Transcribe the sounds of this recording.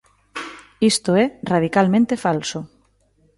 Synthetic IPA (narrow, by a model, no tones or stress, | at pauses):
ist̪oɛraðikalmẽnt̪efalsʊ